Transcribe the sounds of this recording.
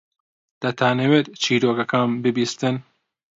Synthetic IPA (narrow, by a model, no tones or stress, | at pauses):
d̪̥ɐt̪ʰaːnewet̪t͡ʃʰiːɾoːkɐkʰanbɨbiːst̪ɨn